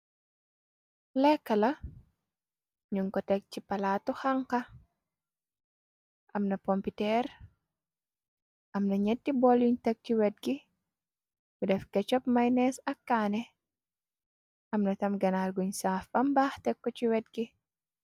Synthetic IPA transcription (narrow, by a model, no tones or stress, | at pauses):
lɛkːɐlɐ | ɲuŋkɔtɛk̚cipɐlaːtɔxaŋkɐ | ʔɐmnɐpɔmpitɛɾ | ʔɐmnɐɲɛtːibɔluɲtɛk̚t͡ʃiwɛt̚ɡi | ɡudɛfkɛt͡ʃɔp̚mɐjnɛsɐkːaːnɛ | ʔɐmnɐtɐmɡɐnarɡuɲsaːfɐmbaːhtɛkːɔciwɛt̚ɡi